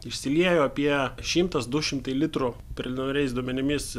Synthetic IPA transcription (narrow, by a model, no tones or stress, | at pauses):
ɪʃʲsʲɪlʲiɛjoːɐpʲiɛʃʲɪmt̪ɐsd̪ʊʃʲɪmt̪ɐɪlʲɪt̪ɾʊpʲɾʲɪlʲɪnɾʲɛɪsd̪uɔmʲɛnʲɪmʲɪs